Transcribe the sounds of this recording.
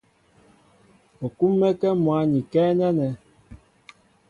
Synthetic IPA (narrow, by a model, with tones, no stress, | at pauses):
o˨ku˦mːɛ˦kɛ˦mwa˨˦ɲi˨kɛː˦nɛ˦nɛ˨